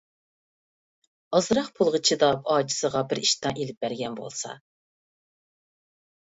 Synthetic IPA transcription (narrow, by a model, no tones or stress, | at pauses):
ɑzɾɑχpʰulˠʁət͡ʃʰid̪ɑpɑːd͡ʒʰi̥səʁɑbɪɾiʃt̪ɑŋʔelɪp̚bæɾɡʲɛnbo̰lˠsɑ̰